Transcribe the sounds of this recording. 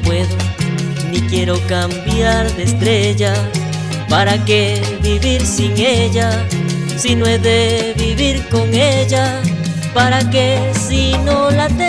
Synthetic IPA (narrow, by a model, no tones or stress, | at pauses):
pweðonikje̞ɾo̞kambjaɾðest̪ɾe̞ʝa | paɾake̞βiβiɾsiŋeʝa | sinoezðe̞βiβiɾko̞ŋeʝa | paɾakesinolat̪e